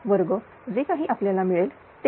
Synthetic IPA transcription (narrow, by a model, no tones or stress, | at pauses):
ʋəɾɡo | d͡zekaɦiːʔapljalamiɭel | t̪e